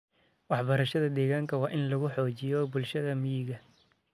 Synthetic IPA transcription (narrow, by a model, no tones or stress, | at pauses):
wɑħbɐɾɐʃɐðɐd̪ɛːɣaːŋkʰɐwɑːʔɪnlɐɣʊħɔːt͡ʃɪjɔbʊlʃɐðɐmɪjɪɣɐ